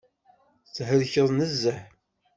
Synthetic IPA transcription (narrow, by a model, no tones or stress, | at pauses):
t͡sːɦəɾçəðˤnəzːəħ